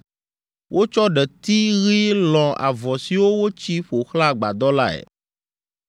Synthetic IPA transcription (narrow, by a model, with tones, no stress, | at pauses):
wʔo˦t͡ʃɔ˦ɖɛ˨t̪i˦ɣi˦lɔ̃˨ʔa̰˨vɔ˨si˨wo˦wo˦t͡ɕi˦ɸo˨xla˦ɡ͡ba̰˨d̪ɔ˦la̰˦ɛ̰˨